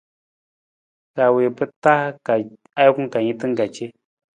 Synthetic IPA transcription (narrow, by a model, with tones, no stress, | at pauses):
ka˨we˨pə˦ta˦ka˨ | a˦jku˦ŋ˦ka˨ɲĩ˦tɨ˦ŋ˦ɡa˨t͡ʃe˦